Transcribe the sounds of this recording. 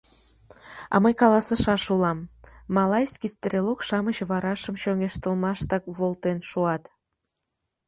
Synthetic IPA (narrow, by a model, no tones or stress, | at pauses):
ɑ̰məjkɑlɑsəʃɑʃulɑmːɑlɑjsʲkist̪rʲelokʃɑmət͡ɕβɑɾɑʃəmɕoŋeʃt̪əlmɑʃt̪ɑk̚βolt̪enʃuɑt̪